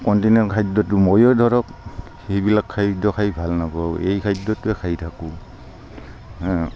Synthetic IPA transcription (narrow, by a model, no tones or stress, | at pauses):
kɔntinɔɹkʰajdɔtumɔjɔdʱɔɹɔk | hebilakʰːajdɔkʰajbʱalnabawejkʰajdɔtuɛkʰajtʰaku